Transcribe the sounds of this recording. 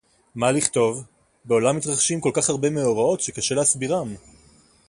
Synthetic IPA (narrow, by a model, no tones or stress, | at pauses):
maliχt̪o̞v | be̞o̞lamːit̪ʁaχʃimkolkaχhaʁbe̞meoʁao̞tʃe̞kaʃe̞leasbiʁam